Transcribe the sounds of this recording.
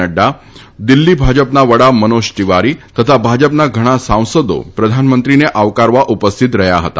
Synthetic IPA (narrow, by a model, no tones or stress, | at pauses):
əɖːa | d̪ilːiːbʱad͡ʑəpnaʋəɽamənoʂʈiʋaɾit̪ət̪ʰabʱad͡ʑəpnaɡʱəɽ̃asãw̃səd̪o̰pɾəd̪ʱanmənt̪ɾineʔaʋkaɾʋaʔupəst̪ʰit̪ɾəjaɦət̪a̰